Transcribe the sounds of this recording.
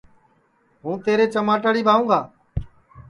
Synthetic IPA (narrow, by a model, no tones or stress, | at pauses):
ɦũːt̪eːɾeːt͡ʃəmaːʈəɽiːbʱaːʋũːɡʱaː